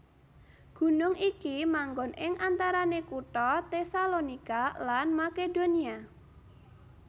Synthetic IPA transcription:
ɡ̥ṳnʊŋikimaŋɡɔnɪŋʔant̪aɾanekuʈɔt̪esalonikalanmakedonia

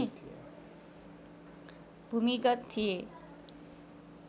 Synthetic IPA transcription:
it̪ʰiḛ | b̥ʱumiɡʌt̪t̪ʰːie

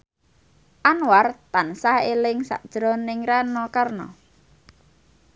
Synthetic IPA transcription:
ʔanwart̪ansahelɪŋsa̰ʔd̥ʒ̥ɾɔnɪŋɾanɔkarnɔ̰

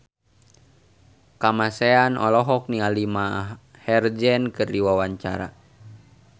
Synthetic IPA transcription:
kamasɛanɔ̰lɔɦɔk̚nialima | hɛrd͡ʒɛnkɨrdiwawaɲt͡ʃa̰ɾa̰

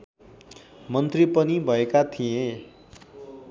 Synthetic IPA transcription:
mʌnt̪ripʌnibʱʌekat̪ʰiẽ

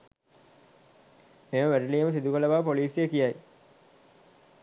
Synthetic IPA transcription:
meməʋæɾəliːəməsid̪ukələʋaːpoliːsijəkijaj

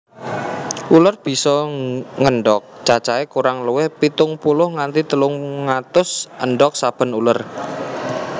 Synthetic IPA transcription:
ʔulərb̥i̤sɔŋəɳɖɔk̚t͡ʃat͡ʃaekuɾaŋləwɪhpit̪ʊŋpulʊhŋant̪it̪əlʊŋŋat̪ʊsʔənɖɔk̚sab̥ə̤nulər

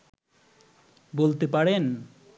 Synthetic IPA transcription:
bolt̪epaɽen

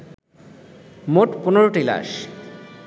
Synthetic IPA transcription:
moʈponeɾoʈila̰ʃ

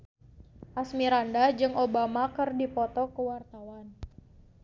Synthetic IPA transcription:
ʔasmiɾandad͡ʒɨŋʔobamakɨrdipɔt̪ɔkəwart̪awan

